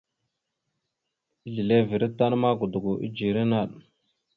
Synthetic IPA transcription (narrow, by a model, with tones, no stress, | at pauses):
i˦ɮi˨le˦vi˨ɾi˦tːa˦n˦ma˦ɡu˨du˨ɡu˨ʔḭ˦d͡ʒi˨ɾi˦na˦˨ɗ